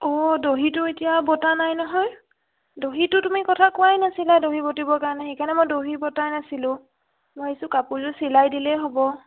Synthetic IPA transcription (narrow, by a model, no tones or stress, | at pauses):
ɔdoɦitʊetijabɔtanajnɔɦɔj | doɦitʊtumikɔtʰakʊajnasiladoɦibotibɔkaɹɔnɛxejkʰaɹnɛmojdoɦibɔtajnasilʊ̃ | mɔesʊkapultʊsilajdilɛɦobɔ